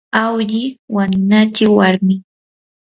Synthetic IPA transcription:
awʎɪwanʊnat͡ʃɪwaɾmɪ

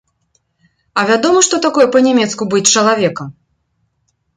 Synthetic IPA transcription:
ɐvʲad̪ɔmɐʂt̪ɔt̪akɔjɛpɐnʲɛmʲɛt̪skubɨt͡ʂɐlˠavʲɛkɐm

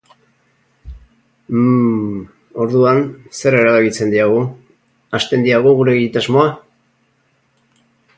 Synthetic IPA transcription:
o̞ɾðuanse̞ɾe̞ɾaβaβilt͡se̞nd̪iaɣ̞u | ast̪e̞nd̪iaɣuɣuɾe̞ɣit̪azmo̞a

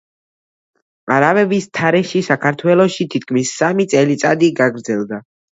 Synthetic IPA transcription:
aɾavɛvist̪ʰaɾɛʃisakʰaɾt̪ʰwɛlˠɔʃit̪ʰit̪̚ʰkʰmisːamit̪sʼɛlit̪sʼad̪iɡaɡɾd̪zɛlˠd̪a

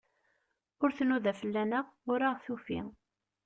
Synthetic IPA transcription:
ʊɾθnuðæfəlːænəʁʊɾaʁθufḭ

